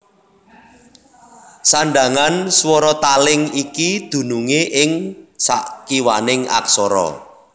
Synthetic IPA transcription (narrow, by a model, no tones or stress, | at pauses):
saɳɖa̤ŋanswɔɾɔt̪alɪŋikid̪̥ṳnuŋeʔɪŋsa̰ʔkiwanɪŋa̰ksɔɾɔ̰